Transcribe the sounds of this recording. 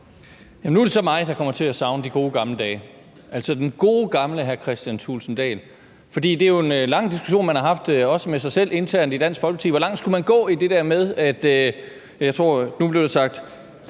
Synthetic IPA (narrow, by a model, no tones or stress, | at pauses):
jæmnuæɐɾ̥e̝sɒ̽mɑ̈ɪd̥ɑ̈kʰɒ̽m̰ɐt͡sʰe̝æsɑ̈ʊnəd̥iɡ̥o̝ːɡ̥ɑ̈mləd̥ɛː | ʔæl̰sɒd̥enɡ̥o̝ːɡ̥ɑ̈mləɦæɐkʰʁɛsd̥jænt͡sʰṵːlsn̩d̥ɛ̰ːl | fɒ̽d̥ḭːd̥e̝æjo̝e̝nlɑ̈ŋ̰d̥isɡ̥uɕo̝̰ːnmænhɑ̈ɦɑ̈fd̥ɒ̽səmesɑ̈ɪsel̰ʔe̝nt͡sʰæɐ̰nid̥æn̰sɡ̥fɒ̽lɡ̥ə̥t͡sʰið̰ˠʋɒ̽lɑ̈ŋ̰d̥sɡ̥ʰumænɡ̥ɔ̰̽ːid̥e̝d̥æɐmeð̞ˠæd̥ø | jɑ̈ɪt͡sʰʁo̝̰ɐ̰nub̥le̝ʊd̥esɑ̈ɡ̥̚d̥